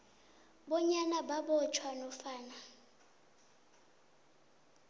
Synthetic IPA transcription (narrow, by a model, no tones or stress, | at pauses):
bɔɲanababɔt͡ʃʰwanɔfaːna